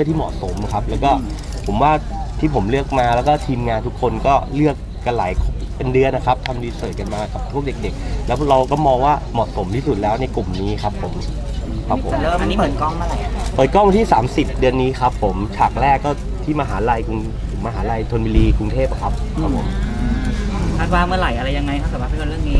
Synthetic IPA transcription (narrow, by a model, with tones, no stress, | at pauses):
ɯ˥˩˨t̪ʰiː˥˩mɔ̰˨˩so˩˦m˧kʰa˦˥p̚lɛː˦˥wkɔː˥˩ | pʰo˩˦mwaː˥˩ | t̪ʰiː˥˩pʰo˩˦mlɯ˥˩ək̚maː˧lɛː˦˥wkɔː˥˩t̪ʰiː˧mŋaː˧nt̪ʰu˦˥kʰːo˧nkɔː˥˩lɯ˥˩ək̚ːa˧nlaː˨˩˦jkʰ | pe˧ndɯ˧ənːa˦˥kʰa˦˥p̚t̪ʰa˧mdiː˧sɤː˨˩ka˧nmaː˧ka˨˩p̚pʰu˥˩ək̚de˨˩k̚de˨˩k̚lɛː˦˥wɾa˧wkɔː˥˩mɔː˧ŋwaː˥˩mɔː˨˩t̪̚so˨˩˦mt̪ʰiː˥˩su˨˩lɛː˦˥wna˧jklu˨˩mniː˦˥kʰa˦˥pʰːo˨˩˦m | kʰa˦pʰːo̰˨˦˧a˧nːiː˦˥p̪ːkɔ˥˩ŋmɯ˥˩˨la˨˩jpɤː˨˩t̪̚kɔ˥˩ŋwt̪ʰiː˥˩saː˩˦msi˨˩p̚dɯ˧ənːiː˦˥kʰa˦˥pʰːo˩˦mt͡ɕʰaː˨˩k̚ɾɛː˥˩kːɔː˥˩ | t̪ʰiː˥˩maː˧ɦaː˩˦la˧jku˧ŋ˩ | maː˧ɦaː˩˦la˧jt̪ʰo˧nwiː˧liː˧ku˧ŋt̪ʰeː˥˩p̚kʰa˦˥p̚kʰa˦˥pʰːo̰˨˩˦m˧ | kʰaː˥˩t̪̚waː˥˩mɯ˥˩ɐɾa˨˩jʔa˧ɾa˧jːa˧ŋːa˧jkʰa˥p̚kːa˨˩a˥˧˩ɾɯ˥˩əŋniː˦˥